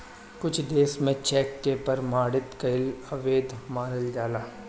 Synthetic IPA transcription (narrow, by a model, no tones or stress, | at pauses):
kʊt͡ʃʰd̪eːsmẽt͡ʃɛːkːepɐɾmaːɽɪt̪kɐɪlɐʋeːd̪ʱmaːɾəld͡ʒaːlaː